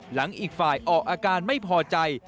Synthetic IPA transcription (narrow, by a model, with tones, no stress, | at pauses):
la˩˦ŋʔiː˨˩k̚faː˨˩jʔɔː˨˩k̚ʔaː˧kaː˧nma˥˩jpʰɔː˧t͡ɕa˧j